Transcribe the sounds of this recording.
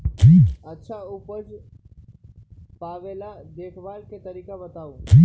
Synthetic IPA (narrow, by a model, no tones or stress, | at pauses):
ɐtːʃʰaupəd͡ʒ | paːʋeːla | d̪eːkʰʋaːlket̪ɐɾiːkabət̪aːũ